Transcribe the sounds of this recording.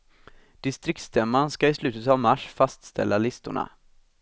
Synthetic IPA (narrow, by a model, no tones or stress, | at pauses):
d̪̥ɪst̪ɾɪkt̪sd̪ɛːmːanskaɪslʉ̟ːt̪ət̪avmaʂfast̪st̪ʰɛ̰lːalɪst̪ʊ̰ɳa̰